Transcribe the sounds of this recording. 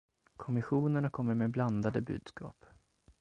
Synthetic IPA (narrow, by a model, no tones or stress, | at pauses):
kʰɔmɪɧuːnəɳakʰɔmːəɾmeːbland̪ad̪əbʉ̰ːd̪̥skɑ̰ːp